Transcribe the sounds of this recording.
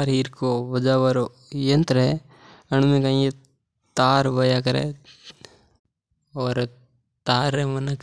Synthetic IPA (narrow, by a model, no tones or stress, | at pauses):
ɾɦiːɾkoʋɐd͡ʒaʋɐɾo | jɐnt̪ɾɦe | ɐɳ̃mẽkãe | t̪aːɾʋɐjakɐɾḛ | ɔːɾ | t̪aːɾemɐnək